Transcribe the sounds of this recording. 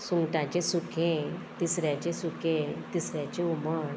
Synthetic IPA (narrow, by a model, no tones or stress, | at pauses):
suŋɡʈãt͡ɕesukʰẽt̪isɾjãt͡ɕesukʰẽt̪isɾjat͡ɕeuməɾ